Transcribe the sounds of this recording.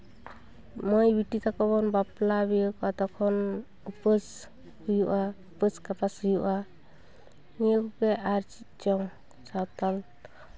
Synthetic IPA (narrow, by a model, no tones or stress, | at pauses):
mɔjbiʈit̪ʰakɔbɔnbaplabijəkɔat̪ɔkʰɔn | upəs | hujuʔaupəskapashujuʔa | nijəkɔkɛʔaɾt͡ʃit̪̚t͡ʃɔŋ | t͡ʃawt̪al